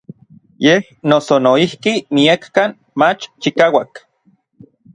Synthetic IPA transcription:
jeh | nosonoihkimiakːan | mat͡ʃt͡ʃikaːwak

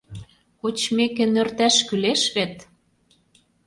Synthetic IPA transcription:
kot͡ɕmekenø̆rt̪æʃkyleʃβet̪

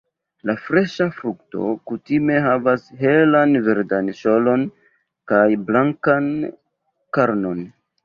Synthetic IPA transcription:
lafɾe̞ʃafɾukto̞̰kutime̞ɦavasɦe̞lanveɾdanʃolo̞n | kajblaŋkan | kaɾno̞n

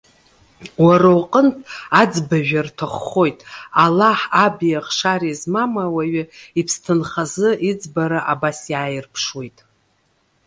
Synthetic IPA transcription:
waɾawqʼəntʰad͡zbaʒᶣartʰaχo̞jtʼalaħabijaχʂaɾizmamawaɥaipʰstʰɨnχazɨʔid͡zbaɾaʔabasjaːjɪrpʰʂwe̞jtʼ

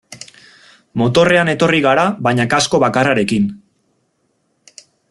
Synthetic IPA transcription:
mo̞t̪o̞re̞ane̞t̪o̞riɣ̞aɾaβajɲakasko̞βakaraɾe̞kin

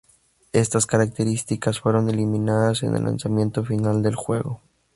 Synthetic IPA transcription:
e̞st̪askaɾak̚t̪e̞ɾist̪ikasfwe̞ɾo̞ne̞limĩnaðase̞̰nḛlːʔa̰nsamjẽ̞nt̪o̞finald̪e̞lxwe̞ɣo

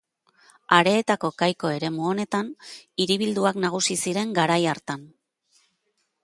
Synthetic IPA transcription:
aɾe̞ːt̪ako̞kajko̞e̞ɾe̞muo̞ne̞t̪aniɾiβ̞ild̪uaknaɣ̞usisiɾe̞ŋɡaɾajaɾt̪an

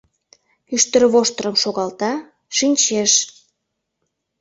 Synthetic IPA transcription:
yʃt̪ə̆ɾβoʃt̪əɾə̆mʃoɣɑlt̪ɑ | ʃinʲt͡ɕeʃ

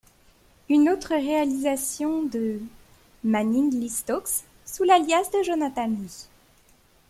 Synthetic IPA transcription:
ynot̪χəʁealizasjɔ̃d̪ə | maninlist̪ɔksː | ulaljasd̪əʒonat̪ani

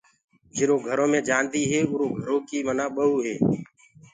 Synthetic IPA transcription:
d͡ʒɪɾoːɡʱəɾõːmẽːd͡ʒaːnd̪iːɦeːʊːɾoːɡʱəɾõːkiːmənãːɓəɦuːɦeː

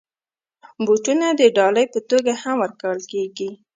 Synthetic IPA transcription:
boʈunad̪əɖɑləjpət̪oɡahamwəɾkawəlkeɡi

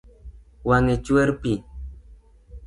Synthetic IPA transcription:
waŋet͡ʃueɾpi

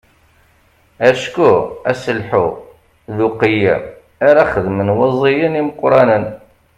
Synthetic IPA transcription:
æʃkʊæsəlħu | ðuqijæ̰m | aɾaχəðmənwɑzˤijəniməqːɾˤɑnən

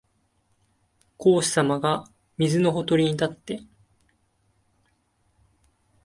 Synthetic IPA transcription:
ko̞ːɕi̥samaɡa | mʲizɨno̞ɦo̞t̪o̞ɾʲiɲ̟it̪at̪ːe̞

